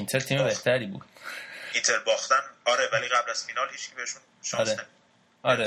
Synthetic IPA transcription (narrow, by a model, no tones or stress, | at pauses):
int̪ʰeɾt̪ʰiːmebe̞ht̪ʰæɾiːbṵːd̪int̪ʰeɾbɒːxt̪ænɒːɾevæliːɣæblæz̥finɒːlhit͡ʃkʰibeheʃun | ʃɒɾenemi | ɒːɾe